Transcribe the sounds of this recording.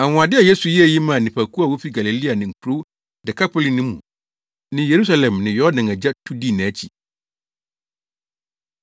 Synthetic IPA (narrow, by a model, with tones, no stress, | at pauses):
a˨ŋʊ̃˨a˨dɪ˦a˨je˦su˨ji˦ɛ˨ji˦mã˨nĩ˨pʰæ˨kʰu˦a˦˨wo˦fi˦ɡa˨li˨li˦a˨nɪ̃˨ŋ̩˨kʰu˨ɾo˦ | dɛ˨kʰa˦pʰo˦li˨nɪ̃˦mũ˨ | nɪ̃˦je˨ɾu˦sa˦lɛ̃˨mnɪ̃˨jɔ˦dɪ̃˨ŋæ˨d͡ʑa˦tʰu˦di˦˨nɪ̃˨æ˦t͡ɕʰi˨